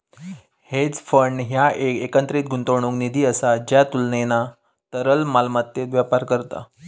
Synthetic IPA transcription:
het͡sfəɳːɦjaʔeekənt̪ɾiːt̪̚ɡʱunt̪oɳ̃ũknid̪ʱiːəsad͡ʑjat̪ulnena | t̪əɾəlmalmat̪ːet̪ʋjapaɾkəɾt̪a̰

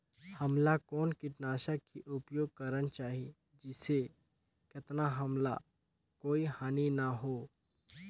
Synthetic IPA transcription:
hɐmlakɔːnkɪʈnaːʃakiʔʊpjoːɡ̚kəɾənt͡ʃaːɦi | d͡ʒɪse | kɪt̪naɦəmla̰ | koːihaːninaɦoː

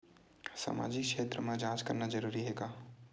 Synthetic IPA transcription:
sa̰ma̰ːd͡ʒikkʃʰeːt̪ɾəmẽd͡ʒãt͡ʃkəɾnad͡ʒəɾuɾiɦeɡa

